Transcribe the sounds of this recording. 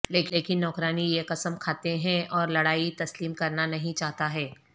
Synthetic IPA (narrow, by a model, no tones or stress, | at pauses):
leːkeːkɪnːɔːkɾaːnijekɐsəmkʰaːt̪eɦɛ̃ɔːɾlɐɽaːit̪ɐsliːmkɐɾnanɐɦĩt͡ʃaːɦt̪aɦɛː